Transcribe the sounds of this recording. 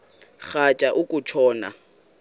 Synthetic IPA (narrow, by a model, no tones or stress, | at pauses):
k͡xat͡ʃʼaʔʊkʼʊt͡ʃʰɔːna̰